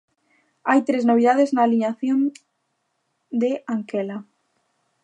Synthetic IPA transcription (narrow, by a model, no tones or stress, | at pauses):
ajt̪ɾeznoβ̞iðaðeznaːliɲaθjõn | d̪eʔaŋkela